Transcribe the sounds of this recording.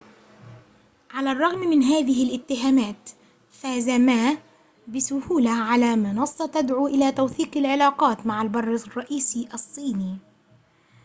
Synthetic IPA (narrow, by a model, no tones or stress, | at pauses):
ʕalarˤːɑɣmmɪnɦaːðɪɦɪlʔɪt̪ːɪɦaːmaːt̪ | faːzamaː | bɪsʊhuːlaʕalaːmɪnɑsˤːɑt̪ad̪ʕuʔɪlaːt̪awθiːqɪlʕɪlɑːqɑːt̪maʕalbɑrˤːɪsˤrˤːɑʔiːsiʔɑsˤːiːniː